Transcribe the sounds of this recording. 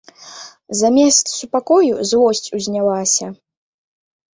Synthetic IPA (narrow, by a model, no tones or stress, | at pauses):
zamʲɛst̪supakɔjuzvɔsʲt͡sʲuzʲnʲalˠasʲɐ